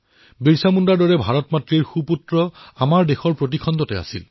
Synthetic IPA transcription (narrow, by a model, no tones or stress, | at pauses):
biɹsamundaɹdɔɹɛbʱaɹɔtmatɹiɹxuputɹɔamaɹdexɔɹpɹot̬ikʰɔntɔtɛa̰sḭl